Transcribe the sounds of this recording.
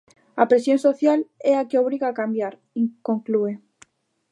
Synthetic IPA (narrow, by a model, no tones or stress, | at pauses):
apɾesjõnsoθjalɛakeoβ̞ɾiɣaːkambjaɾ | ikoŋklue